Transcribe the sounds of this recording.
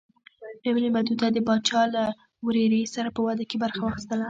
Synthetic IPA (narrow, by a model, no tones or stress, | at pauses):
ɾemnemad̪ud̪ad̪əbɑt͡ʃɑla | wɾeɾesaɾapəwad̪akebaɾxawɑxist̪əla